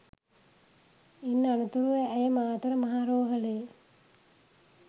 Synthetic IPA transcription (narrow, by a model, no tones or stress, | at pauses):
inːanut̪uɾuʋəæjəmaːt̪ɐɾəmɐɦaːɾoːɦɐle